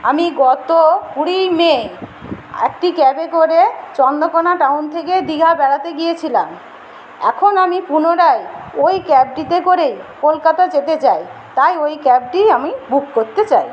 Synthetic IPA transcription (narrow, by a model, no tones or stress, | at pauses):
amiɡɔt̪okuɾijme | ḛk̚ʈikɛbekoɾet͡ɕɔnd̪okonaʈawnt̪ʰeked̪iɡʱabɛɽat̪eɡijet͡ɕʰilam | ɛ̰kʰonamipunoɾajojkɛb̚ʈit̪ekoɾejkolkat̪ad͡ʑet̪et͡ɕajt̪ajojkɛb̚ʈiamibukːoɾt̪et͡ɕaj